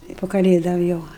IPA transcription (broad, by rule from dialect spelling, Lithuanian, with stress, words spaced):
tɐɪ pʊ kɐˈlʲeːdoːm ˈjɛʊ